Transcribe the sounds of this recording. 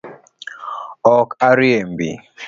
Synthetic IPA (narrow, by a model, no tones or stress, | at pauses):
ɔkaɾiem̩bḭ